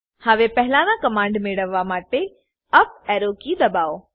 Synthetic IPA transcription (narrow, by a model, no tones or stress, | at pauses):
haʋepɛɦɪlaːnãkɐmãːɳɖmeːɽəʋːamaːʈe | ɐp̚ɛːɾokid̪ɐbaːo